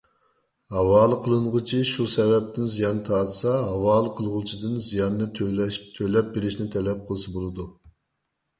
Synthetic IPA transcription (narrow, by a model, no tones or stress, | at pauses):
hɑwɑːlˠɨqʰəlˠɨɴʁət͡ʃʰiʃusɛvɛp̚t̪ʰɪnzijɑnːɨt̪ʰɑːt̪sɑɦɑwɑːlˠəqʰəlˠʁʊt͡ʃʰid̪ɨnzijɑnːɨt̪ʰølɛp̚beɾɪʃnɪt̪ʰɛlɛp̚qʰəlˠɨsɨbolˠɨd̪u